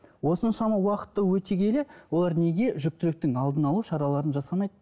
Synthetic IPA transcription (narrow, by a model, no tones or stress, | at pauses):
wo̞sənʃɑmɑwɑqə̥t̪ːəwɵt̪ekʲʰe̞lewo̞lˠɑɾne̞ɡʲe̞ʒʏk̚t̪ɪɾɪk̚t̪ɪŋɑlˠd̪ənɑlˠuʃɑɾɑlˠɑɾənʒɑsɑmɑjd̪ə